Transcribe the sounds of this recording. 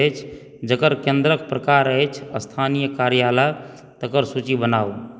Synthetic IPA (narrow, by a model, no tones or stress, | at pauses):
t͡ʃʰ | d͡ʒəkəɾkẽnd̪ɾək̚pɾəkaɾəjt͡ʃʰəst̪ʰanijəkaɾjala | t̪əkəɾsut͡ʃibənau